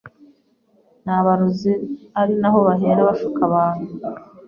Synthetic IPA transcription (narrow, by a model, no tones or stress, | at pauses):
naβaɾuziaɾinaɦo̞βaɦeːɾaβaʃukaβaːnu